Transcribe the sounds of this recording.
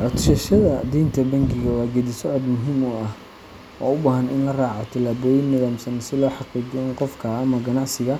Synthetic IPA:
ʕɔt̪ʃɛʃɐðɐd̪iːnt̪ʰɐbɐŋɡɪɣɐwɑːɡɛd̪isɔʕɔd̪mʊɦiːmʊɐh | ɔ̰ːʊbaːɦɐnɪnlɐraːʕat̪ʰɐlaːβɔːjɪnːɪðaːmsɐnɪsɪlɔːħɑqiːd͡ʒɛɪnqɔfkʰɐːmɐɡɐnɑʕsɪɣɐ

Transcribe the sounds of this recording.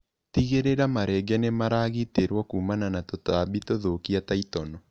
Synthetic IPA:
tiɣeɾeɾamaɾɛɡɛnemaɾaɣiteɾwɔkuːmananatotaβitoðokiataitɔnɔ

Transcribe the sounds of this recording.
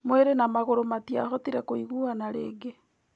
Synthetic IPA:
mweɾenamaɣoɾomatiaɦɔtiɾɛkoiɣuanaɾḛːɡe

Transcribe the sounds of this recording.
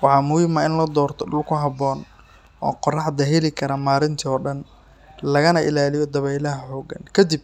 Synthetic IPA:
wɑħɑːmʊɪmɐɪnlɐd̪ɔːrt̪ʰɔɖʊlkʰʊɦɑbɔːn | ɔ̰ːqɔrɑħd̪ɐɦɛlɪkʰɐɾɐmaːɾɪnt̪ʰɔːɖɐn | lɐɣɐnɐʔɪlaːlɪjɔd̪ɐβɛjlɐɦɐħɔːɡɐ̰nkʰɐd̪ib̚

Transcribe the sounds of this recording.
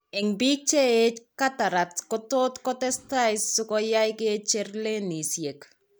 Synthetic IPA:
eŋbik̚t͡ʃeet͡ʃkataɾatkɔtot̪kɔtɛstajssʊkɔjajket͡ʃerlenisjek

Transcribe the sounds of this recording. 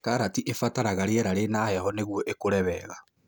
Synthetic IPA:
kaɾatiʔefataɾaɣaɾeɛɾaɾenahɛhɔneɣwɔʔekoɾɛβɛɣa

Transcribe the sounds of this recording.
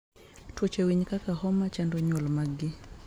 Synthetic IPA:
twɔt͡ʃewiɲkakahɔmat͡ʃandɔɲwɔlmaɡɪ

